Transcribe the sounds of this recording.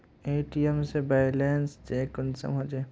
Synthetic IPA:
eːʈijemsebajleːnsd͡ʒeːkʊnsə̰mɦod͡ʒeː

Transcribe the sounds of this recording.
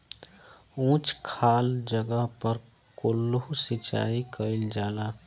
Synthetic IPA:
ũːt͡ʃkʰaːld͡ʒəɡəɦpəɾ | kolːusɪt͡ʃa̰ːikəɪld͡ʒaːlaː

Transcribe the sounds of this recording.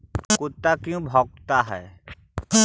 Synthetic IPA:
kʊt̪ːakjũbʱɔɡ̚t̪aɦɛ̰ː

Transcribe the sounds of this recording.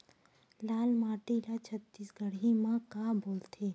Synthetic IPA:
laːlmaːʈilat͡ʃʰət̪ːiːsɡəɽimãkaːboːlt̪ʰeː

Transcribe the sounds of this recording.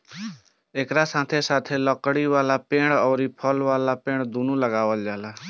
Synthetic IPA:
ekɾasãt̪ʰesat̪ʰeləkɽiʋalapeɽ̃ɔʊɾipʰəlʋalapeɽ̃d̪ʱunuləɡawəld͡ʒaɦla

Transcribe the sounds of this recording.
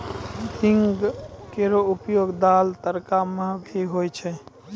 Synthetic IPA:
ɪŋɡkeɾoʊpjoːɡd̪aːlt̪əɾkaməɦbʱiɦojt͡ʃʰɛ

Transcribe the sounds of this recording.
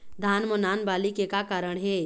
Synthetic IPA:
d̪ʱaːnmonaːnbaːlikekakaːɾəɽ̃ɦɛː

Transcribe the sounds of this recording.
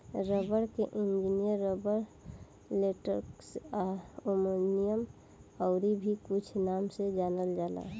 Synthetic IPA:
ɾəbəɾkeʔĩnd͡ʒinijəɾːobəɾ | leʈəɾksaomonijəm | əʊɾibʱikut͡ʃʰnamsed͡ʒaːnəld͡ʒala̰

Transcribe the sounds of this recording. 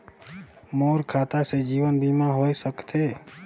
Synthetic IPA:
moːɾkʰaːt̪ased͡ʒiːwənbimaɦoːisəkt̪ʰe

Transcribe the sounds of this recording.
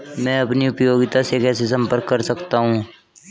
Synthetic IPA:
mɛ̃ːɐpniʊpjoːɡɪt̪asekɛːs̬esɐ̃mpəɾkːɐɾsɐkt̪aɦũː

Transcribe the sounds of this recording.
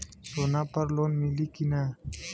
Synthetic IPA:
sonapɐɾloːnmilikina

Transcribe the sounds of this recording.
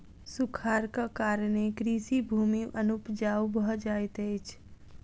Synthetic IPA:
sʊkʰaːɾkakaːɾñekɾiːsibʱuːmiʔənupd͡ʒaːwbəd͡ʒaːjt̪eɪt͡ʃʰ

